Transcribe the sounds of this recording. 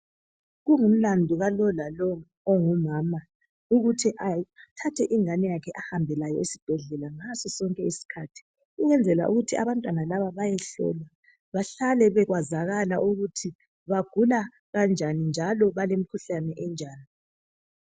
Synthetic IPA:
ɣuŋum̩landʱuɣalɔlalɔː | ŋumaːma | uɣutʰiʔatʰatʰɛʔiŋanɛjakʰɛʔahambʱɛlajɔ̰isib̥ʱɛɮɛlaŋasɔsɔŋkʼɛisi̥kʰatʰi̥ | ɣuɣɛnd͡zʱɛla̰ʔuɣutʰia̰βantʼwanalaβaβajɛɬɔ̰la | βaɬalɛβɛɣwazaɣalaʔuɣutʰi | βaɡ̥ʱula | ɣand͡ʒʱanind͡ʒʱalɔβalemikʰuɬanɛʔɛnd͡ʒʱaːni

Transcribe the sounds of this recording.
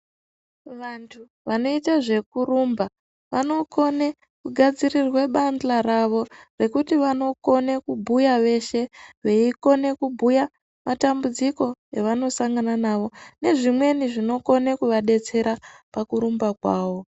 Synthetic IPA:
ʋantʰu | ʋano̞itaʐe̞kurumba | ʋano̞ko̞ne | kuɡʱad͡zirirwe̞ɓanɬaraʋo̞re̞kutiʋano̞ko̞nekubʱujaʋe̞ʃe̞ʋe̞iko̞ne̞kubʱuja | matambud͡ziko̞eʋano̞saŋɡananaʋo̞ne̞ʐimwe̞niʐino̞ko̞nekuʋaɗe̞t͡se̞ɾapakuɾumbakwaːʋo̞

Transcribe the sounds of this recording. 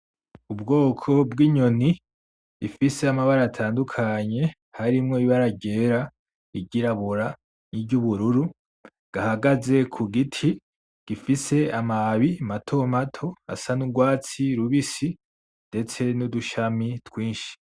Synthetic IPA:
ubɡo̞ːkʰo̞bɡiːɲo̞ni | ifise̞amaβaɾatʰaːndukʰaɲe̞ | haɾimŋo̞iβaɾaɟe̞ːɾa | iɟiɾaβuɾa | niɟuβuɾuɾu | ɡ̥ahaɡaze̞kʰuɡitʰi | ɡ̥ifise̞amaβiamatʰomatʰo̞a̰sanuɡwaːt͡siɾuβisi | nde̞t͡se̞nuduʃamitwiːnʃi̥

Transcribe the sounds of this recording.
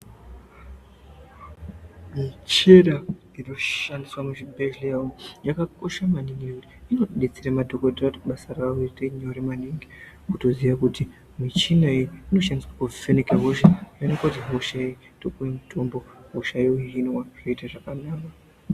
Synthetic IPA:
mit͡ʃeɾa | inoandiswamuʃibʱeʒlijawojakako̞ʃamaniŋɡiutino̞ɗet͡seɾamadʱokoderatɓasaraweteɲeɾemaniŋɡi | kuto̞ziʋakuti | mit͡ʃinaejino̞ʃandiswakufenekaɦoʃaanokwat̬iɦoʃai | tokuwemutʰo̞mboɦoʃaeuɦinwaʐ̥oitaʐakanaːka

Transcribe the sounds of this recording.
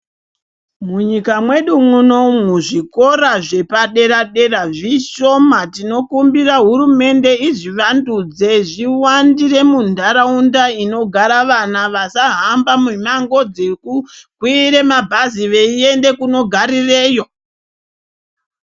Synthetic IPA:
muɲikamwe̞ɗumuno̞muʐiko̞ɾaʐe̞paɗe̞ɾaɗe̞raʐiʃo̞matino̞kumbiraɦurume̞nde̞iʐiʋandud͡ze̞ʐiwandire̞mundʱaɾaundaino̞ɡʱaɾaʋanaʋasaɦambamumaŋɡo̞d͡zekukwiɾe̞mabʱaziʋe̞ie̞nde̞kuno̞ɡʱaɾire̞ːjo̞

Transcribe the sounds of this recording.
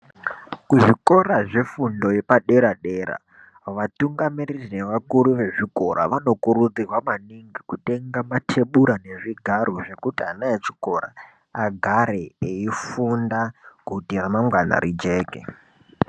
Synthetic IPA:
kuʐiko̞ɾaʐe̞fundo̞je̞paɗe̞ɾaɗe̞ɾa̰ | ʋatuŋɡamiririne̞ʋakuɾuʋe̞ʐiko̞ɾa̰ʋano̞kuɾud͡zirwamaniŋɡikute̞ŋɡamatʰe̞ɓuɾane̞ʐiɡʱaɾoʐe̞kutianaet͡ʃi̥ko̞ɾa̰ | aɡʱaɾeeifundakutiramamɡwana̰ɾid͡ʒe̞ːkḛ

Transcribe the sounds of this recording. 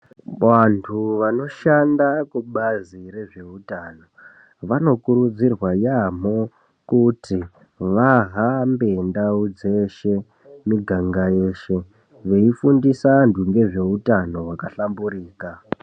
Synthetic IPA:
ʋantʰuʋano̞ʃandakuɓaziɾe̞ʐe̞utano̞ | ʋano̞kuɾud͡zirwajam̤o̞ | kuti | ʋaɦambe̞ndaud͡ze̞ʃe | miɡʱaŋɡajeːʃe̞ | ʋe̞ifundisanduŋɡe̞ʐe̞utano̞wakaɬambuɾiːka

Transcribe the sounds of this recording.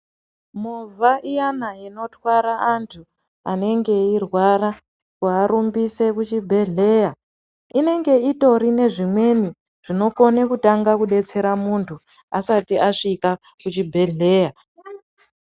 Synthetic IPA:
movʱaʔijanaino̞twaɾaʔantʰu | ane̞ŋɡe̞irwaɾa | kuaɾumbise̞kut͡ʃibʱe̞ɮe̞ːja | ine̞ŋɡe̞ito̞ɾine̞ʐimwe̞ni | ʐ̥ino̞ko̞nekutaŋɡakuɗe̞t͡se̞ɾamuntʰu | asatiʔaʂika | kut͡ʃibʱe̞ɮe̞ːja

